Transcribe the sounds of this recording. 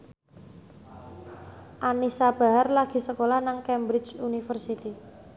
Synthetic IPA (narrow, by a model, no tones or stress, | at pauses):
ʔanisab̥a̤ɦarlaɡ̥i̤səkolahnaŋkɛmbɾɪt͡ʃunifərsit̪i